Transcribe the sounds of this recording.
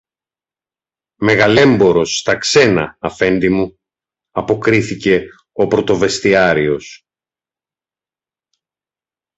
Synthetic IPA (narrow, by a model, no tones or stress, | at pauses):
me̞ɣɐle̞mbo̞ɾo̞sːt̪ɐkse̞nɐ̰ːfe̞nd̪imu | ɐpo̞kɾiθice̞ | o̞pɾo̞t̪o̞ve̞st̪iɐɾio̞s